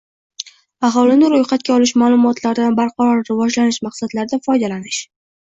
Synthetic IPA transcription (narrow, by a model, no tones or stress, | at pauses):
ɑɦɒlɪnɪɾʊjqɑt̪̚kʲaɒlɪʃmaːlˠʊmɒt̪laɾɪd̪anbaɾqʰɑɾɒɾːɪvɒd͡ʒlanɪʃmaqsad̪laɾɪd̪afɒjd̪alanɪʃ